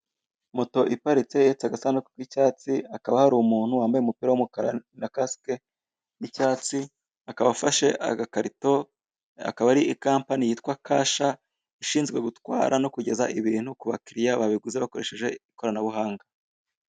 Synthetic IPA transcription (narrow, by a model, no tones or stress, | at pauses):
moto̞ʔipaɾit͡se̞jet͡saɡasanuke̥kwicaːt͡siakaβahaɾumuːn̥huwaːmbajumupiːɾawumukaɾa̰nakaske | icaːt͡si | akaβafaʃe̞ʔa̰ɡakaɾito̞ | a̰kaβaɾiikaːmpanijiːtkwakʰaːʃa | iʃiːnzɡwe̞ɡutwa̰ːɾʔano̞kuɟe̞za̰ʔiβiɾiːn̥hukuβakiɾijaβaβiɡuzeβako̞ɾe̞ʃe̞ʒe̞iko̞ɾanaβuɦaːŋɡa